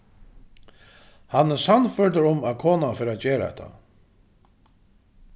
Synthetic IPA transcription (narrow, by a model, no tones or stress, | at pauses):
hanːɛsanfœɹt̪əɾʊmæðkʰoːnafɪɾaðt͡ɕeːɾa̰ɛ̰t̪ʰːa̰